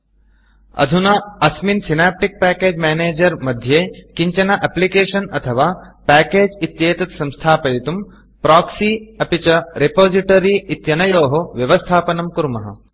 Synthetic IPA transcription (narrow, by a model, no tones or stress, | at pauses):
ɐ̰d̪ʱunɐɐsminsinaːp̚ʈik̚pæːkeːd͡ʒmɛːneːd͡ʒɐɾmɐd̪ʱjeːkiɲt͡ʃɐnaʔɐplikeːʃɐnɐt̪ʰɐʋaːpæːkeːd͡ʒit̪jeːt̪ɐt̪sɐ̃mst̪ʰaːpɐjit̪um | pɾaːksiɐpit͡ʃɐɾepoːziʈɐɾiːt̪jɐnɐjoːɦoʋjɐʋɐst̪ʰaːpɐnɐmkuɾmɐɦɐ̰